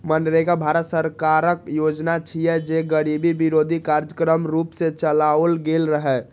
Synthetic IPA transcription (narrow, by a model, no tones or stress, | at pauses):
mənɾeɡabʱaɾət̪səɾkaɾək̚jod͡ʒnat͡ʃʰijɛd͡ʒeɡəɾibibiɾod̪ʱikaɾd͡ʒəkɾəmɾupsẽt͡ʃəlaəlɡelɾəɦɛ